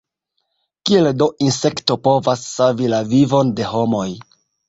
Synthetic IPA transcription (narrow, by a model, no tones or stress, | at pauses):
kie̞ldo̞ʔinse̞kto̞po̞vasːavilavivo̞nde̞ɦo̞mo̞j